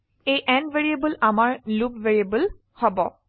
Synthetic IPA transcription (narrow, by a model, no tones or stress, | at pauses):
ejʔɛnveɹiebəlamaɹlubveɹiebəl | hɔbɔ